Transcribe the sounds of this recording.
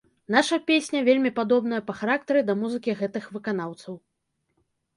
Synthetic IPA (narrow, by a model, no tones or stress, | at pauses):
n̪aʂɐpʲesʲnʲɐvʲelʲmʲipad̪ɔbn̪ɐjɐpɐxaɾak̚t̪ɐɾɨd̪ɐmuzɨkʲiɣɛt̪ɨxvɨkan̪awt̪sɐw